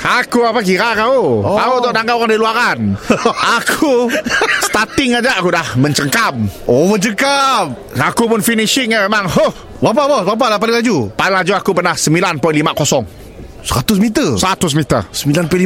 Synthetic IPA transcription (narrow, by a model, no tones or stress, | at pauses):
akuapak̬iɾakaukaut̪ɔʔdaŋɡakadiluaɾanakʰust̪at̪ɪŋad͡ʒaʔakudahməɲt͡ʃəŋkamobət͡ʃəkap̚ | akupʊnfiniʃɪŋamemaŋhoh | bapabɔbap̬alapalɪŋlad͡ʒupalɪŋlad͡ʒuakupərnahsəmilanpəlimaʔkosɔŋ | səɾat̪ʊsmit̪əsəɾat̪ʊsmit̪ə̰səmbilanpəli